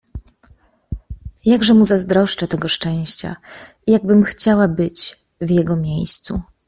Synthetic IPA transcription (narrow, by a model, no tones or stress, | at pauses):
jaɡʐɛmuzazd̪ɾɔʂt͡ʂat̪ɛɡɔʂt͡ʂɛ̃w̃ɕt͡ɕa̰ | ijaɡ̚bɘmxt͡ɕawabɘt͡ɕ | vjɛɡɔmʲjejst̪sṵ